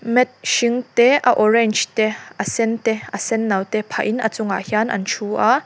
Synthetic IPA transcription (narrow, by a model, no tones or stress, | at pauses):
mɛt̪̚ʃiŋt̪ɛʔaʔɔɹɛnt͡ʃt̪ɛʔɐsɛnt̪ɛʔɐsɛnːawt̪ɛpʰaʔinʔɐ̰t͡sʊŋa̰hjanʔɐ̰nt͡ʃʰuʔa